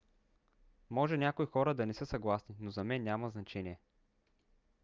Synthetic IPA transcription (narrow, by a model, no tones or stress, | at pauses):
mɔʒɛnʲakoixɔɾəd̪ɐnɛsɤsɐɡlˠasninozɐmɛnːjamɐznɐt͡ʃɛniɛ